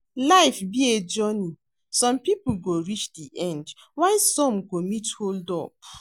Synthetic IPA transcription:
laɪfbied͡ʒɔni | sɔ̃mpipuɡoɹit͡ʃdiʔɛ̃nd | waɪsɔ̃mkomitholdɔ̰p̚

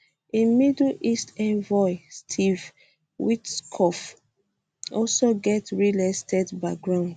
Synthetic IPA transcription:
ĩnmidlʔistɛ̃nvɔɪstʰiv | witskʰɔf | ɔlsoɡɛtɹilɛstɛdbaɡɹãʊ̃nd

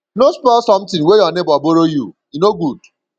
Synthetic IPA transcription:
inospɔsɔ̃m̩tɪ̃ŋwejɔnebɔboɾoju | inoɡud

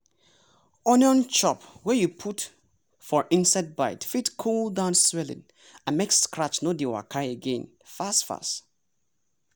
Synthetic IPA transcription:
ɔnɔ̃nt͡ʃɔpwɛjupʰut | fɔɹʔĩnsaɪd̚baɪtfitkʰulˠdãʊ̃nswɛlɪ̰̃n | ãnmeksskɹat͡ʃnodiwa̰kʰaɪeɡẽn | fastfa̰st

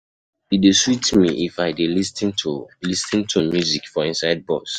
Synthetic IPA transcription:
ideswitmiʔifaɪdelistĩnʰlistĩntʰumjuzikfɔĩnsaɪd̚bɔs

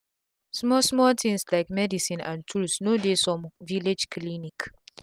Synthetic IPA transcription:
smɔsmɔltʰĩnslaɪkmɛdisĩnã̰ntʰulsnodesɔ̃mviled͡ʒklinik

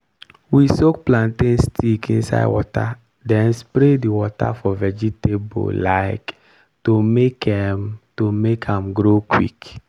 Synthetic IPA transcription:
wisokplãntẽnstʰikĩnsa̰ɪwɔ̰ta̰ | dɛ̃nspɾediwɔta̰fɔvɛd͡ʒitebo̰laɪk | tomekɛmtomekʰãmɡɾokwḭk

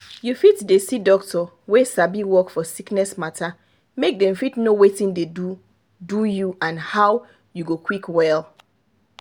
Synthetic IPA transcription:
jufitdesidɔk̚tʰɔ | wesabiwɔkfɔsiknɛsmatʰa | mek̚dɛ̃mfitnowetĩndedu | dujuãnhaw | juɡokʰwikwɛlˠ

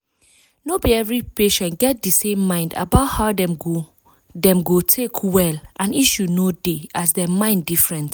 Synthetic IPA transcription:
nobiɛvɹipeʃɛ̃ntɡɛt̚disẽmːãɪ̃nda̰baʊthaʊdɛ̃mɡo | dɛ̃mɡotʰekʰwɛlʔãniʃjunodeasdɛmãɪ̃ndifɹɛ̃nt

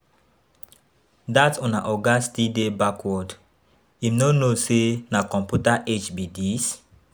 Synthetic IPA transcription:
datɔ̃naʔɔɡastidebakwɔd | imnonosenakɔ̃mpjutaʔet͡ʃbidis

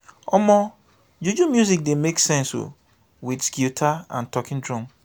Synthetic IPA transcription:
ɔmɔ | d͡ʒud͡ʒumjuzik̚demeksɛ̃nso̰ | widskjutʰaã̰ntʰɔkʰɪ̃ndɹɔ̃m

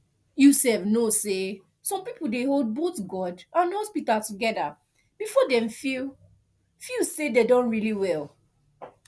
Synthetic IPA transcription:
jusɛfnose | sɔ̃mpipoldeholˠd̚boθɡɔdãnhɔspitaltuɡɛda | b̥ifɔdɛ̃mfi | fusededõnɹiliwɛl

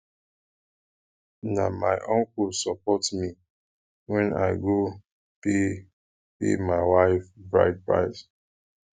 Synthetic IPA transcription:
namaɪʔɔ̃ŋkulsɔpɔtmi | wɛ̃na̰ɪɡo | pe | pḛmaɪwaɪfbɹa̰ɪt̚pɹa̰ɪs

